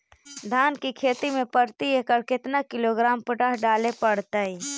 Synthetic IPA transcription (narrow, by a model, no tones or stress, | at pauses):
d̪ʱaːnkikʰeːt̪imẽpəɾt̪ieːkəɾkɪt̪nakɪloɡɾaːmpʊʈaɦɖaːlepəɽt̪əi